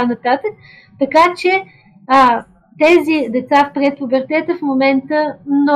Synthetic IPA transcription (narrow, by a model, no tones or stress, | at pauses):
anɐt̪at̪ək̚ | t̪ɐkat͡ʃɛ | t̪ɛzid̪ɛt̪safpɾɛt̪̚pubɛɾt̪ɛt̪əfmomɛnt̪əmnɔ